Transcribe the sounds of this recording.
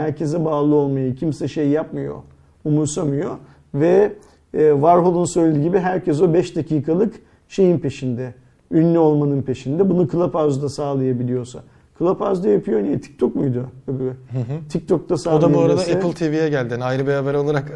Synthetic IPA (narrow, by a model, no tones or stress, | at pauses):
hæɾcʰe̞zɛbaːlˠɯo̞lˠmajɯcʰimsɛʃejjapmɯjo̞̰ | umuɾsamɯjo̞ | vɛː | vaɾɦolˠunsø̞jlʲed̪iɟibiɦæɾcʰɛs̬o̞bɛʃd̪acʰiːkʰalˠɯk | ʃe̞jinpʰe̞ʃind̪ɛ | ynlʲyo̞lˠmanɯnpʰe̞ʃind̪ɛbunukʰɯlˠapazd̪asaːlˠajabilʲijo̞ɾsa̰ | kʰɯlˠapawzd̪ajapʰɯjonijɛt̪ʰi̥c̚t̪ʰokmujd̪ʊbɦt̪ʰic̚t̪ʰo̞k̚t̪asaːod̪aauaɾad̪aelʲˠt̪ʰevijɛɟælʲd̪ianajɾɯbeɾaːbɛɾo̞lˠaɾak